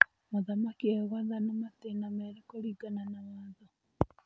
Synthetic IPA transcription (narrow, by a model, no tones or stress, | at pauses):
moðamakiewaðanamat̪enameɾekoɾiɡananaβaːnðo